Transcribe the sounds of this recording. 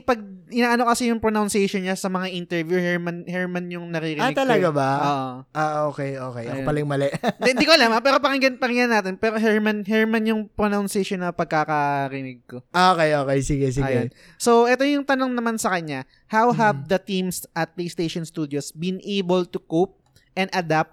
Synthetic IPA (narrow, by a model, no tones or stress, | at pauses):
pɐɡ̚ʔɪnaːʔɐno̞kɐsɛjʊŋpɹonawnsɛjʃonɲasɐmɐŋaʔint̪ɛɹvjuhɛɹmɐnhɛɹmɐnjʊŋnɐɾiɾɪanɪɡt̪ɐlɐɡabaʔoːʔoʔaʔoːkɛjʔoːkɛjɐkopɐlɐjŋmɐlɛʔnd̪ikoɐlaːmɐpɛːɾo̞pɐkɪŋɡɐnpɐkɪŋanːaːt̪ɪnpɛːɾoɦɛɹmɐnɦɛɹmɐnjʊŋpɾonawnsɛjʃonːɐpɐɡ̚kakɐɾɪnɪɡ̚koʔoːkɛjʔoːkejsiɡɛs̬ɪajɛ | soʔɛt̪ojʊŋt̪ɐnoŋnɐmansɐkɐɲa | hawɦɐv̚d̪ɐt̪ĩmsʔɐt̪̚plejst̪ejʃonst̪uːd̪josbɪ̃nʔejbɛlt̪ukop̚ | ʔɛ̃nd̪ɐd̪ap̚t̪